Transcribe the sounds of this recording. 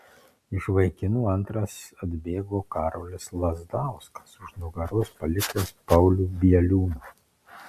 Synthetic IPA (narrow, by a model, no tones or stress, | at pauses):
ɪʃʋɐɪkʲɪnuːɐnt̪ɾɐsɐd̪ʲbʲeːɡoːkɑːɾoːlʲɪslˠɐzd̪ɑˑʊskɐ̥sʊʃnʊɡɐɾʊspɐlʲɪkʲt̪ʲespɐʊlʲuːbʲiɛlʲuːnuː